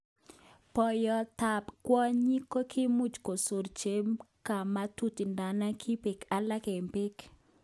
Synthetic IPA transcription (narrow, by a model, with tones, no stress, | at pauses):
pɔ˨jɔ˨ta˨pkwɔ˦ɲi˦ko˦kʰi˦mu˦t͡ʃko˨so˨ɾt͡ʃe˦mka˨ma˦tu˦ti˨nda˨na˦kʰi˦pe˨ka˨la˦ke˨mpe˦k